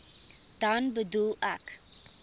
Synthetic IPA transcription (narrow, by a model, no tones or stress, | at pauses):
d̥ɐnbədulˠæ̰k